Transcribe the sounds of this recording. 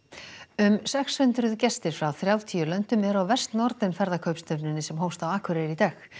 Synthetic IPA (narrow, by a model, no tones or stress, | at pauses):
ʏmsɛkshʏnt̪ɾʏðcɛst̪ɪɾ̥fɾawθɾjawt̪ʰijʏlœn̥t̪ʏmɛðɾawvɛr̥st̪nɔɾt̪nɪnfɛɾðakʰœɥpst̪œpnɪnːɪsɛmɦowst̪awaːkʰʏɾeɾit̪ax